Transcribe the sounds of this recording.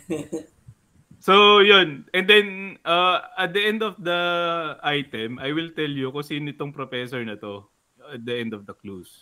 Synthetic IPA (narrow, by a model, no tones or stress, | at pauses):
sojonɛ̃nd̪ɛnʔɐɐt̪̚d̪ɐʔɛnd̪ɔfd̪ɐʔajt̪ɛmʔajwɪlt̪ɛljʊkʊsinɪt̪oŋpɾofɛsoɹnɐt̪o̞ | ɐt̪̚d̪ɐʔɛnd̪ɔfd̪ɐklus